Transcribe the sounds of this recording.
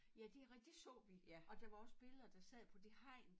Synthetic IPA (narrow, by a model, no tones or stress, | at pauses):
jæd̥eʁd̥esɔ̰̽ːʋiʔɒ̽d̥ɑʋɑ̈ɒ̽sb̥e̝ləðˠɐd̥ɑ̈sɛð̰ˠpʰɒ̽d̥e̝hɑ̈ɪ̰n